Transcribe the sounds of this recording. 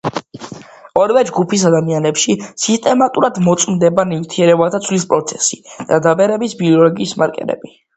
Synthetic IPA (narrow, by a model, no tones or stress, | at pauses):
ɔɾvɛd͡ʒɡupis̬ad̪amianɛpʃisist̪ʼɛmat̪ʼuɾad̪mɔt̪sʼmd̪ɛbanivt̪ʰiɛɾɛbat̪ʰat̪sʰvlispʼɾɔt̪sʰɛsid̪̥ad̪abɛɾɛbisbiɔlɔɡiːsmaɾkʼɛ̰ɾɛ̰bi